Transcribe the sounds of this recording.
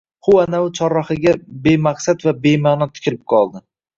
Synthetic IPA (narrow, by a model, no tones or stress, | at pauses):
hʊanaʊt͡ʃʰɒɾːɒχɪɡʲabe̞maqsat̪vabe̞manɒt̪ʰɪ̥kʲɪlɪp̚qʰɒlˠd̪ɪ